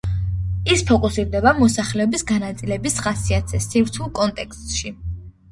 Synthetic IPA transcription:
ispʰɔkʼusiɾd̪ɛbamɔsaχlɛɔbisɡanat̪sʼilɛbisχasiat̪sʰɛsivɾt̪ʰulˠkʼɔnt̪ʼɛkst̪ʼʃi

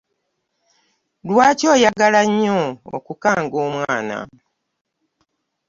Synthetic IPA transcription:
lwaːco̞ːjaɡalaɲːoo̰kukaːŋɡoːmwaːna̰

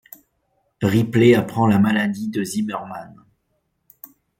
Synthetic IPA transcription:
ʁipleapχɑ̃lamalad̪id̪əzimɛʁman

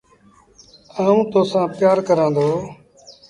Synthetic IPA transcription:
aːũːt̪oːsãːpɪjaːɾkəɾãːnd̪oː

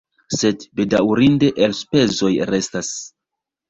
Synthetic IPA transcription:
se̞dbe̞dawɾinde̞ʔelspe̞zo̞jɾe̞stas

